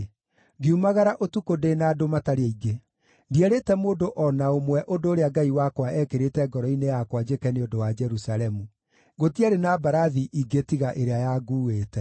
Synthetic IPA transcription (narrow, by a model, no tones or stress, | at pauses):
ɡeumaɣaɾaʔotukodenaːdomataɾeaiɡe | ndiɛɾetɛmoːdoʔɔnaomwɛʔondoːɾeaɡaiwakwaʔɛkeɾetɛɡɔɾɔinejakwad͡ʒekɛneodowad͡ʒɛɾusalɛmu | ɣotiaɾenabaɾaðiʔiɡetiɣaʔeɾeajaɡuːweːtɛ